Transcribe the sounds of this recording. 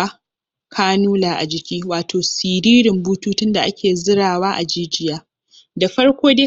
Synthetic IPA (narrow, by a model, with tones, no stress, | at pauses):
kʰaː˦nuː˦laː˨ʔa̰˨d͡ʒɪ˨kʲiː˦waː˨tʰoː˨siː˨ɾiː˦ɾɪ˨mbuː˦tuː˦tʊ˦nda˨ʔa˦kʲʰeː˨zɪ˦ɽaː˨waː˦ʔa˨d͡ʒiː˦d͡ʒɪ˨jaː˦ | da˨ɸɐ˦ɽkʷoː˦deː˦